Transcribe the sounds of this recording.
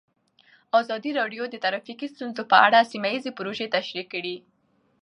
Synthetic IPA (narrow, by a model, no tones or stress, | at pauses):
ɑzɑd̪iɾɑɖjod̪ət̪aɾafiqist̪unzopəaɽasimajizepʊɾoʒet̪aʃɾikːəɽi